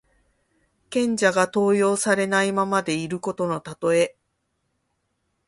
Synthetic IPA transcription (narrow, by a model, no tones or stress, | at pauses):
kẽ̞ɲ̟d͡ʑaɡat̪o̞ːjo̞ːsaɾe̞naimamad̪e̞iɾɯ̟ko̞t̪o̞no̞t̪at̪o̞e̞